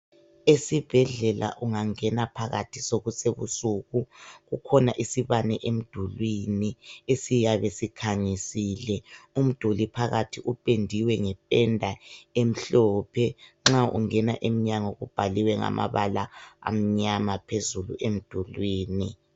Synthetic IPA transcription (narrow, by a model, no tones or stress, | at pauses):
esib̥ʱɛɮɛlʔa̰ʔuŋaŋɛnapʰaɣa̰tʰisoɣuseβṵsuɣuɣukʰɔnaʔisiβanɛʔem̩d̥ʱulwiniesijaβesikʰaɲisiːlɛum̩d̥ʱulipʰaɣatʰiʔupʼendʱiwɛŋɛpʼɛndʱaem̩ɬɔpʰɛŋ͡ǁaṵŋɛnaʔemiɲaŋoɣub̥ʱaliwɛŋa̰mʔa̰βalaa̰m̩ɲamapʰezulṵʔem̩d̥ʱulwiːni